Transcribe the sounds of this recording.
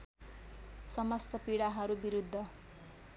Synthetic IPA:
sʌmʌst̪ʌpiɽaɦʌɾubiɾud̪ʱːʌ

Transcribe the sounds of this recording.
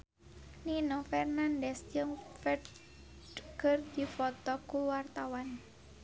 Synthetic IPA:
ninofɛrnandɛsd͡ʒɨŋfɛ | kərdifɔt̪ɔkuwart̪awan

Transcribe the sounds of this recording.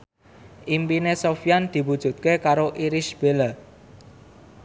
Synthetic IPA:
ʔimpinesofiand̪̥i̤wud̥ʒ̥ṳt̪̚kekaɾoʔiɾiʃb̥elə

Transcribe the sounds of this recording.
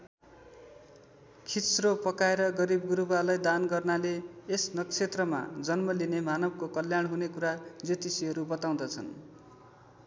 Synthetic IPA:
kʰisropʌkaeɾʌɡʌɾibɡuɾubalajd̪anɡʌrnaleːsnʌkt͡sʰet̪rʌma̰d͡zʌnmʌlinemanʌb̚kokʌljaɳɦunekuɾad͡zit̪isiɦʌɾubʌt̪aw̃d̪ʌt͡sʰʌ̰n

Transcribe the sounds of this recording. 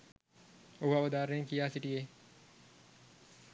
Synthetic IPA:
ubaʋəd̪aːɾeŋkijaːsiʈijeː

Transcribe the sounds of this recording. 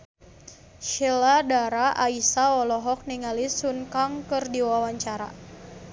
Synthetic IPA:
ʃɛladaɾaʔaisaɔlɔɦɔk̚niŋalisunkaŋkɨrdiwawaɲt͡ʃaɾa̰

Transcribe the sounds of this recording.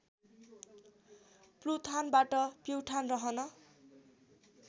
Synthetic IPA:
plut̪ʰanbaʈʌpewʈʰanrʌɦʌnʌ

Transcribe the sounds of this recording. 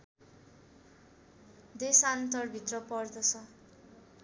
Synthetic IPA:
d̪esant̪ʌrbʱit̪rʌpʌrd̪ʌt͡sʰʌ

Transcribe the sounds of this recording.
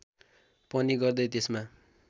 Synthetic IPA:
pʌniɡʌrd̪ʌjt̪esma

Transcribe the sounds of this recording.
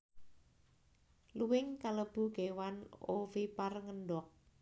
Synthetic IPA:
luwɪŋkaləb̥ṳɡ̥ewanofiparŋənɖɔk̚

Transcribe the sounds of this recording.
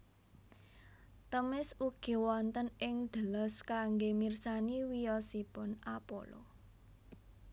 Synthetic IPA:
t̪əmɪsuɡ̥i̤wɔnt̪ənʔɪŋd̪̥ə̤lɔskaŋɡemirsaniwijɔsipʊnʔapo̰lɔ̰

